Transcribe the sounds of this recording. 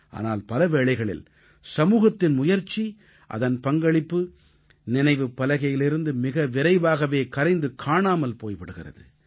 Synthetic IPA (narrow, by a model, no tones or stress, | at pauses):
ʔa̰ːna̰ːlpɐlɐʋeːɭɐɪɣɐɭɪ̰l | sɐmuːɣɐt̪ːɪnmʊjɐɾt͡ʃi | ʔɐ̰ðɐnpɐŋɡɐɭɪpːɯ | nɪnɐɪʋɯpːɐlɐɣɐjɪlɪɾɯnd̪ɯmɪɣɐʋɪɾɐɪʋaːɣɐʋeːkɐɾɐɪnd̪ɯkʰaːɳaːmɐlpoːjpɪɽɯɣɪrɐ̰ðɯ̰